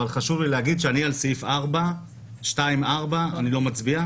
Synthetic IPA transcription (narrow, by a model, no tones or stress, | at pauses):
alχaʃuvlilehaɡid̪ʃeanialsifaʁba | ʃtaimaʁbaanilo̞mat͡sbia